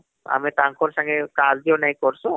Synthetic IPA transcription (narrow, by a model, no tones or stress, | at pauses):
a̰mẽt̪ãŋkʰoɾsãŋɡekaːzd̪ionaĩkɔɾsɔ